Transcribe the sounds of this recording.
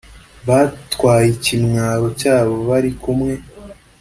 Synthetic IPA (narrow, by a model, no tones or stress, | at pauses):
βatkwaːjicimŋaːɾo̞caːβo̞βaɾikumŋe̞